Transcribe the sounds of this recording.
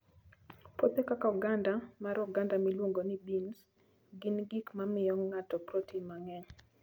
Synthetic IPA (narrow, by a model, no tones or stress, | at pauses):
pot̪ekakauɡandamaɾɔɡandamilwoŋɡonibins | ɡɪnɡikmamɪjɔŋːatɔpɾotimaŋɛɲ